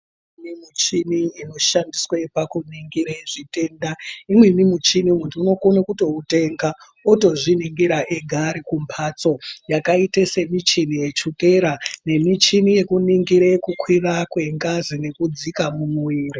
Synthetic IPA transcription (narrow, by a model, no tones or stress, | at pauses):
imimut͡ʃiniːno̞ʃandiswepakuniŋɡiɾaeʐite̞ːndaimwemimut͡ʃinimuntiuno̞konakuto̞ute̞ŋɡa | oto̞ʐiniŋɡiɾaʔeɡʱaɾikumpʰat͡so̞jakaitese̞mit͡ʃinije̞t͡ʃuke̞ɾane̞mit͡ʃinije̞kuniŋɡiɾaekukwirakwe̞ŋɡazine̞kud͡zikamumuwiːri